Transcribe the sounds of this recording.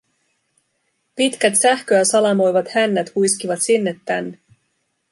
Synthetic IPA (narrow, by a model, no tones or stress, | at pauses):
pit̪k̟æt̪sæhkøæsɑlɑmo̞jʋɑt̪hænːæt̪hujskiʋɑt̪sinːe̞t̪ːænːe